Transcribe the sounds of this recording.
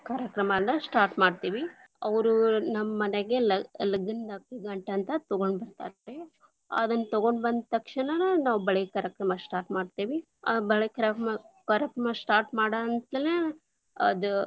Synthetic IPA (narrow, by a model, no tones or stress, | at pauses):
kaːɾjɐkɾɐmɐnːɐsʈaːɾʈmaːɖt̪iːʋi | ɐʋɾunɐmːɐːɐneɡelɐlɐɡind̪akiɡɐɳʈɐːnt̪ɐt̪ɐɡoɳɖbɐɾt̪a̰ːt̪ːe | a̰d̪ɐnːɐt̪ɐɡoɳɖbɐnd̪t̪ɐkʂɐɳɐnɐnaːʋubɐɭekaːɾjɐkɾɐmɐsʈaːɾʈmaːɽt̪iːʋi | ɐbɐɭekaɾɐkɐmɐkaːɾjɐkɾɐmɐsʈaːɾʈmaːɽant̪ɐle | ɐ̰d̪u